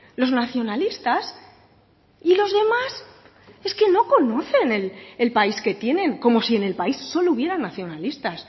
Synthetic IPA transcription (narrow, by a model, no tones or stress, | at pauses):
lo̞znaθjo̞nalist̪as | ilo̞zðe̞mas | e̞ske̞no̞ko̞no̞θe̞nelelpaiske̞t̪je̞nẽ̞ŋko̞mo̞sie̞ne̞lpaisːo̞louβje̞ɾanːaθjo̞nalist̪as